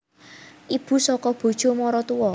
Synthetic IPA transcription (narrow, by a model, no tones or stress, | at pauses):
ʔib̥ṳsɔkɔb̥o̤d̥ʒ̥o̤mɔɾɔt̪uwɔ